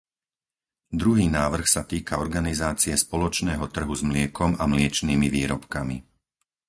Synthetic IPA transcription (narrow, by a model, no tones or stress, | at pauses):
d̪ɾuɦiːnaːʋr̩xsat̪iːkaɔɾɡanizaːt͡siɛspɔlɔt͡ʃnɛːɦɔt̪r̩ɦuzmlɪɛkɔmamlɪɛt͡ʃniːmiʋiːɾɔpkami